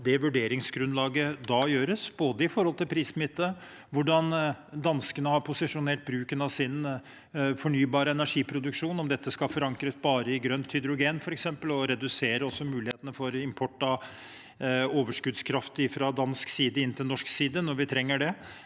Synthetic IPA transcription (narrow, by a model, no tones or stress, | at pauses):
d̪ɛʋʉɖeːɾɪŋsɡɾʉnlɑːɡəd̪ɑjøːɾəsboːd̪əɪfɔɾhɔlt̪ɪlpʰɾiːsmɪt̪ːə | ʋʊɖɑnd̪ɑnskənəhɑɾpʰʊsɪʂʊneːʈ̚bɾʉːkənɑʋsɪn | fɔɳyːbɑːɾəɛnæʂiːpʰɾʊd̪ʉkʂuːnɔmd̪ɛt̪ːəskɑfɔɾɑŋkɾəsbɑːɾəɪɡɾœnt̪ʰhʏd̪ɾʊɡeːnfɔɾɛksɛmpəlɔɾɛd̪ʉseːɾəɔsːɔmʉːlɪheːt̪ənəfɔɾɪmpʰɔʈːɑ | oːʋəʂkʉd̪skʰɾɑft̪əɪfɾɑd̪ɑnsksiːd̪əɪnːt̪ɪlnɔʂksiːd̪ənɔɾʋɪt̪ʰɾɛŋːəɖɛ